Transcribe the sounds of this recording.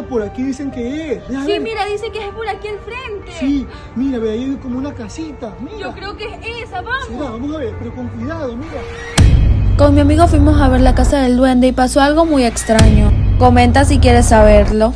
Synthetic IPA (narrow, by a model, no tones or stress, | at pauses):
poɾakiðiseŋkeessmiɾaðisekeespoɾakielfɾent̪e̥si | miɾapeɾajekomounakasit̪aokɾeokeesaβasioβamosaβeɾpeɾoko̞ŋkwiðaðoamiɾa | ko̞nmiamiɣo̞fwimo̞saβe̞ɾlakasaðe̞ld̪we̞nd̪e̞ipaso̞alɣo̞muje̞kst̪ɾaɲo̞ko̞mẽ̞nt̪asikje̞ɾe̞sːaβe̞ɾlo̞